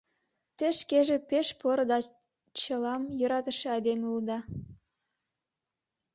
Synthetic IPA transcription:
t̪eʃkeʒĕpeʃpoɾod̪ɑ | t͡ɕəlɑmjøɾɑt̪əʃĕɑd̪emeuld̪ɑ

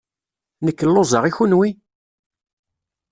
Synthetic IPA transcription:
nəkːəlːozˤɑʁiçunwi

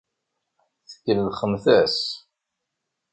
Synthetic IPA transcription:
θə̥kːəlðχəmθæs

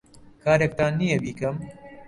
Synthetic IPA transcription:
kʰaːɾek̚t̪aːnːijɛbiːkɐm

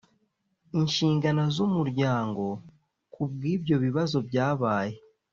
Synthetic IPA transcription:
inʃiːŋɡanazomuɾɟaːŋɡo̞ | kubɡiːbjo̞βiβazo̞bɟaːβaːje̞

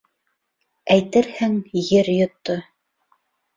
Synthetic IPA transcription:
æjt̪ɘɾhɘŋjɘɾjŏt̪ːo

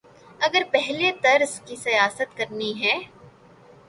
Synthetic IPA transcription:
ɐɡəɾpɛɦlet̪ɐɾzkisɐjaːsət̪kɐɾniɦɛː

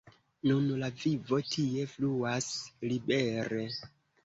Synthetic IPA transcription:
nunlavivo̞tʰie̞fluaslibe̞ɾe

